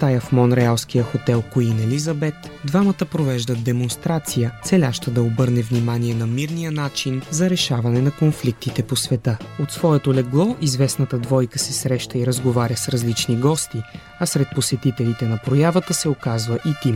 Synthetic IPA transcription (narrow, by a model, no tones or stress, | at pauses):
t̪ajɐfmɔnɾɛalˠskijəxot̪ɛlˠkoinɛlizɐbɛt̪d̪vamət̪əpɾovɛʒd̪əd̪ɛmonst̪ɾat̪sijət̪sɛlʲaʃt̪əd̪ɐobɤɾnɛvnimaniɛnɐmiɾnijənat͡ʃinzɐɾɛʃavɐnɛnɐkonflik̚t̪it̪ɛposvɛt̪əot̪svɔɛt̪olɛɡlˠɔʔizvɛsnət̪əd̪vɔjkəsɛsɾɛʃt̪əiɾəzɡovaɾʲəsɾɐzlit͡ʃniɡɔst̪i | ɐsɾɛt̪̚posɛt̪it̪ɛlit̪ɛnɐpɾojavət̪əsɛokazvəʔit̪im